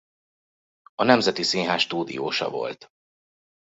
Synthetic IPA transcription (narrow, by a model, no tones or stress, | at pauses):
ɒnɛmzɛt̪isiːɦaːʃʃt̪uːd̪ḭjoːʃɒ̰vo̞̰lt̪